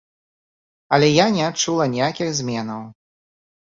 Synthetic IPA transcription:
ɐlʲɛjanʲɛat͡ʂulˠɐnʲijakʲixzʲmʲɛnɐw

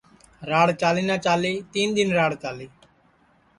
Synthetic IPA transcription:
ɾaːɽt͡ʃaːleːnaːt͡ʃaːleːt̪iːnd̪ɪnɾaːɽt͡ʃaːleː

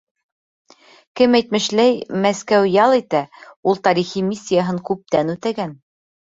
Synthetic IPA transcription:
kɘmæjt̪mɘ̆ʃlæjmæskæwjɑlˠit̪æulˠt̪ɑɾiχimʲisʲːijaɦɤŋkʉp̚t̪ænʉt̪æɡæn

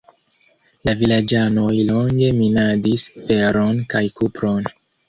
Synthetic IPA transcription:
lavilad͡ʒano̞jlo̞ŋɡe̞minadisfe̞ɾo̞nkajkupɾo̞n

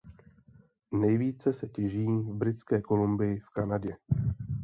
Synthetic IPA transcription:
nɛjviːt͡sɛsɛcɛʒiːvbɾɪt͡skɛːko̞lumbɪjɪfkanaɟɛ

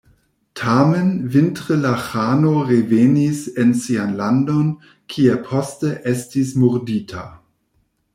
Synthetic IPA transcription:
tʰamenvintʁəlaxaːnoʁevenisensianlandon | kʰiapʰɔsteʔɛstismuʁdiːtʰa̰

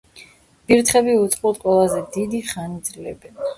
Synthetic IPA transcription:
b̥iɾt̪ʰχɛbiut̪sʼqʼut̪qʼwɛlˠazɛd̪id̪iχanid̪zlɛbɛn

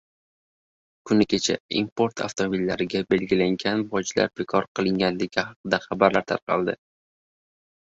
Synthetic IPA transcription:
kʰʊnɪkʲʰe̞t͡ʃʰa̰ḭmpo̞ɾt̪ʰa̰ft̪ʰomobilːaɾɪɡʲabe̞lɡʲɪlaŋɡʲanvɒd͡ʒla̰ɾbe̞kʰɒɾqʰɨlˠɪŋɡʲanlɪɡʲɪhɑqɨd̪aχɑbaɾlaɾt̪ʰa̰ɾqʰɑ̰lˠd̪ɪ

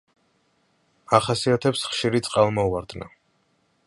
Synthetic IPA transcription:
aχasiat̪ʰɛpsχʃiɾit̪sʼqʼalˠmɔuaɾd̪na̰

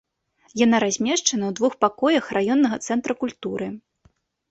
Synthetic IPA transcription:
janaɾazʲmʲɛʂt͡ʂɐnɐwd̪vuxpakɔjɐxrajɔnːɐɣɐt̪sɛnt̪ɾɐkulʲt̪uɾɨ

